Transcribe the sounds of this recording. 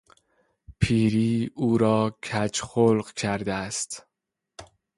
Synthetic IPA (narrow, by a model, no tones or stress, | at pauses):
pʰiːɾiːuːɾɒːcʰæt͡ʃxolɢcʰæɾd̪eæst̪